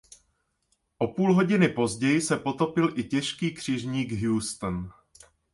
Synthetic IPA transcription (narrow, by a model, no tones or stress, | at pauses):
ʔo̞puːlɦo̞ɟɪnɪpo̞zɟɛjɪsɛpo̞t̪o̞pɪlʔɪcɛʃkiːkr̝̥ɪʒɲiːɡɦjuːst̪n